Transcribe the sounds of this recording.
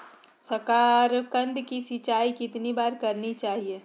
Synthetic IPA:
səɾkaːɾkə̃nd̪ʱkisɪt͡ʃaːikɪt̪nibaːɾkəɾnit͡ʃaːɦie

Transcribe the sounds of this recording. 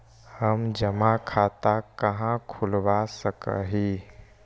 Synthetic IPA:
həmd͡ʒəmakʰat̪akəɦãkʰulʋasəkə̰ɦi

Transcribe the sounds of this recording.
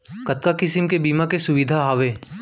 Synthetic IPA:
kɐt̪̚kakɪsɪmkebiːmakesʊʋɪd̪ʱaɦaːʋeː

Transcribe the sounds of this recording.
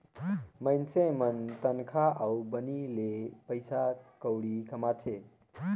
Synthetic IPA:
məɪnsemənt̪ənkʰaʔaubənilepəɪsakəwɽikəmat͡ʃʰe

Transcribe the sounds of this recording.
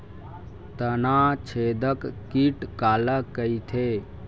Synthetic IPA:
t̪ənat͡ʃʰed̪əkːiʈkaləkːəjt̪ʰe

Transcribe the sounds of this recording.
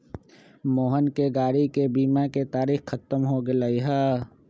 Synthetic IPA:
moːɦənkeɡaːɾikebiːmaket̪aːɾiːxkɐt̪əmɦoɡɪlaiɦaː

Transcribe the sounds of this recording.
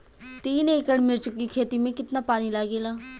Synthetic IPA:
t̪iːneːɪkəɽmɪɾt͡ʃʊkːiːkʰeːt̪iːmẽːkɪt̪naːpaːniːlaːɡeːlaː

